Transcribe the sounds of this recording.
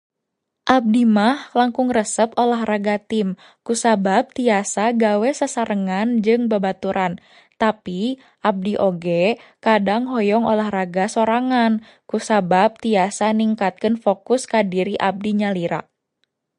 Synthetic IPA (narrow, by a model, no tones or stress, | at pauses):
ʔab̚dimahlaŋkʊŋrəsəp̚olahraɡat̪ɪm | kusabab̚t̪iasaɡawɛsasaɾəŋand͡ʒɨŋbəbat̪uɾan | t̪api | ʔab̚diʔoɡɛkadaŋɦɔjɔŋolahraɡasoɾaŋan | kusabab̚t̪iasaniŋkat̪̚kənfokʊskadiɾiʔab̚diɲaliɾa̰ʔ